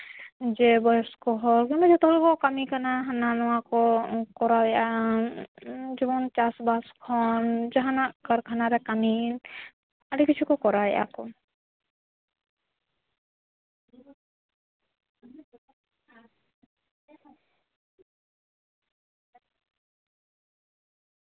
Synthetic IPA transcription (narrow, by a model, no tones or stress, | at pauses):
d͡ʒɛbɔjɔskɔɦɔɾkinɔd͡ʒɛt̪ɔlɔkɔkamikʰanaɦananɔwakɔkɔɾawɛa | d͡ʒɔbɔnt͡ʃasbaskʰɔnd͡ʒaɦanakaɾkʰanaɾɛkamin | alikit͡ʃʰukɔkɔɾawɛʔa̰kɔ